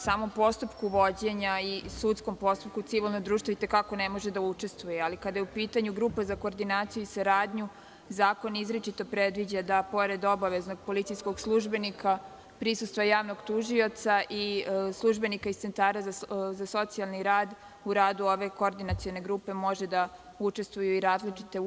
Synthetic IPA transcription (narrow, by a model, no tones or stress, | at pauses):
saːmo̞mpo̞st̪upkuʋo̞d͡ʑe̞ɲaisut̪sko̞mpo̞st̪upkut̪siʋilˠnod̪ɾuːʃt̪ʋoit̪e̞kako̞nemoʒe̞d̪aut͡ʃe̞st̪ʋujealikad̪ajeupiːt̪aɲuɡɾuːpazakoːɾd̪inaːt̪sijuisaɾaːd̪ɲu | zaːko̞nizɾet͡ʃit̪o̞pɾed̪ʋid͡ʑad̪apo̞ɾe̞d̪o̞baʋe̞zno̞ɡ̚po̞lit̪sijsko̞ɡslˠuʒbe̞nika | pɾisust̪ʋajaːʋno̞ɡt̪uʒio̞t̪saʔislˠuʒbe̞nikaist̪se̞nt̪aːɾazazaso̞t̪sialˠniɾaːd̪ | uɾaːd̪uo̞ʋe̞kooɾd̪inat̪sione̞ɡɾuːpe̞mo̞ʒe̞d̪a | ut͡ʃe̞st̪ʋujuiɾaːzlit͡ʃit̪e̞